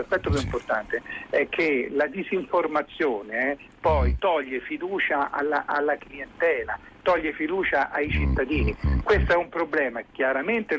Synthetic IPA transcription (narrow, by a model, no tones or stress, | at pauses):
aspɛt̪ːok̬ɛimport̪ant̪eɛk̟ʰːelad̪iziɱformat̪sːjoːneɛ | pɔjt̪ɔʎːefid̪uːt͡ʃaʔa̰laʔalːakliɛnt̪ɛːla | t̪ɔʎːefid̪uːt͡ʃaʔajt͡ʃit̪ːad̪iːnikwest̪oɛumpɾoblɛːmakjaɾament̪e